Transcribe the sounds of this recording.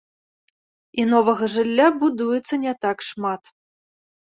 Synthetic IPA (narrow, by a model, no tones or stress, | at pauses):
inɔvɐɣɐʐɨlʲːabud̪ujɛt̪sːɐnʲɛt̪akʂmat̪